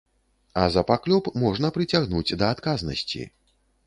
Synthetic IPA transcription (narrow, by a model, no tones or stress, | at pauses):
ɐ̰zɐpaklʲɔpmɔʐnɐpɾɨt͡sʲaɣnud͡zʲd̪ɐːt̪kaznɐ̰sʲt͡sʲḭ